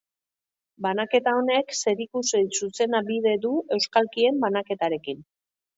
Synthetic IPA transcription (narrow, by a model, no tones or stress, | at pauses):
banake̞t̪ao̞ne̞kse̞ɾikussuse̞naβiðe̞ðue̞wskalkie̞mbanake̞t̪aɾe̞kin